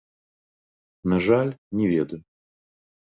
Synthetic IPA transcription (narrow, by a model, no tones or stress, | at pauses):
naʐalʲnʲɛvʲed̪ujʊ